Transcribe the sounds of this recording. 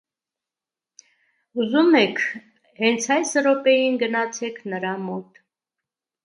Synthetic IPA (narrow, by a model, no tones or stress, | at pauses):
uzumɛkʰ | hɛnt͡sʰɑjsɾɔpɛjinɡənɑt͡sʰɛkʰnəɾɑmɔt̪